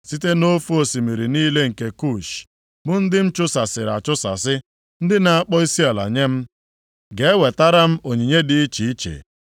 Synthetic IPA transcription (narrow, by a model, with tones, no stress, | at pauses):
si˦te˦no˦fu˦o˨si˨mi˨ɾi˨niː˦le˦ŋ̩˨ke˨ku˦˨ʃ | bʊ˦n̩˦dɪ˦m̩˦t͡ʃʊ˦sa˨sɪ˨ɾa˨t͡ʃʊ˦sa̰˨sɪ˦ | n̩˦dɪ˦na˨a˦k͡pɔ˦i˦si˦a˨la̰˨ɲe˦m̩˦ | ɡe˨e˦we˨ta˦ɾa˦m̩˦o˨ɲi˨ɲe˦dɪ˨i˦t͡ʃi˨i˦t͡ʃḛ˨